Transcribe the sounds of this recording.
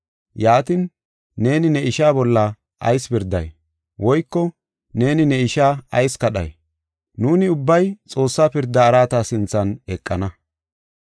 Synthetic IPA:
jaːt̪ɪn | ne̞ːnɪnɛɪʃaːbɔlːɐ | ʔɐ̰jspɪɾd̪ːɐ̰j | wɔjkːɔ | ne̞ːnɪnɛɪʃaːɐjskɐɗɐ̰j | nuːnɪʊbːɐjt͡sʼo̞ːsːaːpɪɾd̪ːɐːɾaːt̪asɪnt͡sːɐnɛkʼːɐnɐ

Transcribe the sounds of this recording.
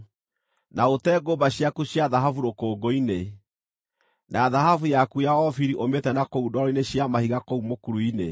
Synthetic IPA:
naotɛːɡobaɕjakuɕjaðaɦafuɾokoːɡoine | naðaɦafujakujaɔfiɾiʔometɛnakoudɔɾɔineɕjamahiɣakoumokuɾuine

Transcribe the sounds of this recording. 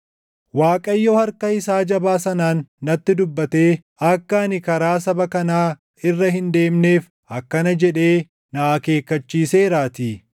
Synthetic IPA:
waːkʼɐjːohɐɾkɐɪsaːd͡ʒɐbaːsɐnaːnːɐt̪ːɪd̪ʊbːɐt̪eː | ɐkːɐːnɪkɐɾaːs̬ɐbɐkɐnaː | ɪrːɐɦɪnd̪e̞ːmneːf | ɐkːɐnɐd͡ʒɛᶑe̞ː | nɐʔaːke̞ːkːɐt͡ʃːiːse̞ːɾaːt̪iː

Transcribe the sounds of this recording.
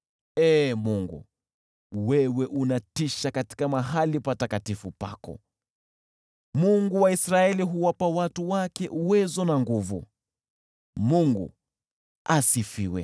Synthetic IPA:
ɛmuŋɡṵ | wɛwɛʔunatiʃakati̥kamaɦalipatakatifupa̰kɔ̰ | muŋɡuwaisɾaɛliɦuwapawatuwakɛʔuwɛzɔnaŋɡuvu | muŋɡṵ | asifiwɛ̰

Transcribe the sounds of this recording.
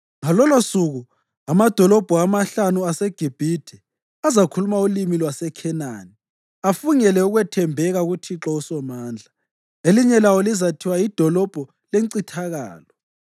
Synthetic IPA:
ŋalɔlosuɣu | amad̥ʱɔlɔb̥ʱɔamaɬanuaseɡ̥ʱib̥ʱidʰɛ | azakʰulumaulimilwasɛkʰɛna̰ːni | afuŋɛlɛuɣwɛtʰɛmbʱɛɣaɣutʰiǁɔusɔmaːnd͡ɮʱa | eliɲɛlawolizatʰiwaid̥ʱɔlɔb̥ʱɔ | leǀitʰaɣa̰ːlɔ

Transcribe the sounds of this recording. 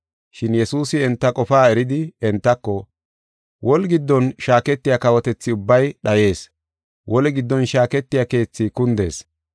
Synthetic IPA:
ʃɪnjɛsuːsɪɛnt̪ːɐkʼɔfaːɛɾɪd̪ɪɛnt̪ːɐkːɔ | wʔɔlɡɪd̪ːɔnʃaːkɛt̪ːɪjakɐwɔt̪ɛt͡sːɪʊbːɐjɗɐje̞ːs | wʔɔlɛɡɪd̪ːɔnʃaːkɛt̪ːɪjake̞ːt͡sːikʊnd̪e̞ːs

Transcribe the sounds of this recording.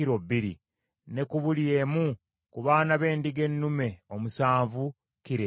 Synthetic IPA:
iɾobːiɾḭ | ne̞kuβulie̞mu | kuβaːnaβe̞ːndiɡe̞nːume̞o̞musaːɱvu | kiɾe

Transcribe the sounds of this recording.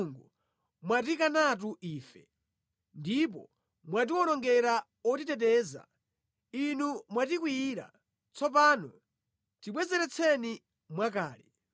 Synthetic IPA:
ŋɡu | mwat̬ikanat̬uʔiːfɛ | ndip̬ɔ̰ | mwat̬iwɔnɔŋɡɛɾa | ɔtitɛt̬ɛːza̰ | inumwat̬ikwiːɾa̰ | t͡sʰɔp̬aːnɔ | tiɓwɛzɛɾɛt͡sʰɛni | mwakaːli

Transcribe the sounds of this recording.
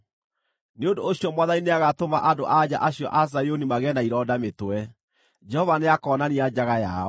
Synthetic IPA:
neondoːɕijɔmwaðaineaɣatomaʔado̰ʔad͡ʑa̰ʔaɕiɔ̰ʔas̬ajonimaɣɛnaiɾɔdametoɛ | d͡ʒɛhɔvaneakɔːnaniad͡ʑaɣaja̰ɔ

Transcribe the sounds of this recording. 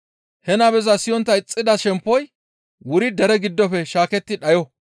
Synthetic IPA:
hɛnɐbɛzɐsɪjɔnt̪ːɐɪt͡sʼːɪd̪ɐʃɛmpːɔj | wʊɾɪd̪ɛɾɛɡɪd̪ːɔfɛʃaːkɛt̪ːɪᶑɐjɔ

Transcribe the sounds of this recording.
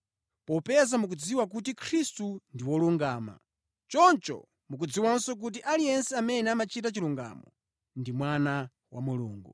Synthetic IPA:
pɔpɛzamuk̬ud͡ziwak̬ut̬ikʰɾistundiwɔluŋɡaːma̰ | t͡ʃɔnt͡ʃɔ̰ | muk̬ud͡ziwansɔk̬ut̬iʔalijɛnsɛamɛnɛamat͡ʃʰit̬at͡ʃiluŋɡa̰mɔ | ndimwana | wa̰mulṵːŋɡṵ

